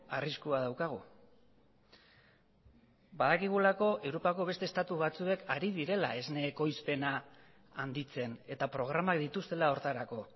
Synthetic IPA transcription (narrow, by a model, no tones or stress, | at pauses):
ariskuað̞awkaɣ̞ṵ | baðakiɣ̞ulako̞ʔe̞wɾo̞pako̞β̞e̞st̪est̪at̪uβat͡sue̞kʰaɾiðiɾe̞la̰e̞zne̞ːko̞jspe̞naː | nd̪it͡se̞ne̞t̪apɾo̞ɣ̞ɾamakd̪it̪ust̪e̞lao̞ɾt̪aɾako̞